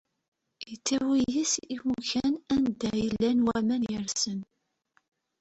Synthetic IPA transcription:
jət͡sːæwijisifuçænænd̪æjəlːænwæmænjəɾsən

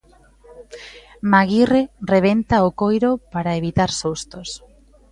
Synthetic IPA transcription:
maɣirereβ̞ent̪aokojɾopaɾaeβ̞it̪aɾsust̪os

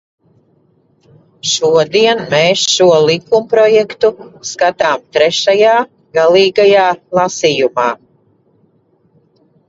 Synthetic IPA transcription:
ʃuɔd̪iɛnmeːsʃuɔlˠikumpɾɔjɛkt̪uskat̪aːmt̪ɾɛʃajaː | ɡalˠiːɡajaːlˠasijumaː

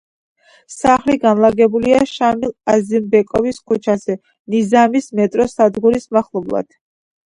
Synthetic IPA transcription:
saχliɡanlˠaɡɛbuliaʃamilˠazimbɛkʼɔviskʰut͡ʃʰazɛ | nizamismɛt̪ʼɾɔsad̪ɡuɾismaχlˠɔblˠa̰d̪̥

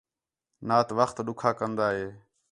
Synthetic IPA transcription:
naːt̪ʋəxt̪ɗʊkʰaːkənd̪aːɦeː

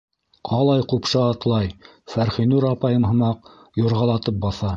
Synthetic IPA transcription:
qʰɑlˠɑjqupʃɤːt̪lˠɑj | fæɾχinuɾɑpɑjɤmɦɤ̆mɑq̚ | juɾʁɑlˠɑt̪ɤp̚bɑθɑ

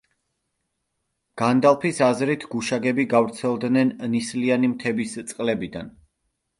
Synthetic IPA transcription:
ɡ̥and̪alˠpʰisazɾit̪ʰɡuʃaɡɛbiɡavɾt̪sʰɛlˠd̪nɛnnislianimt̪ʰɛbist̪sʼqʼlɛbid̪an

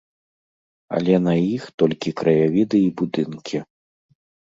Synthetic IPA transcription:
ɐ̰lʲɛnɐjixt̪ɔlʲkʲikɾɐjavʲid̪ɨibud̪ɨnkʲʰi

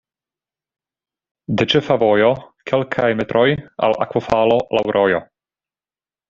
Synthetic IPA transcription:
d̪et͡ʃɛfavojokʰɛlkʰajmet̪ɾʔoja̰la̰kwofaːlolawɾʔojo

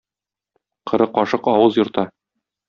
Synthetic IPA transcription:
qɤ̆ɾɤqɒʃɤqɒwɤzjŏɾt̪ɑ

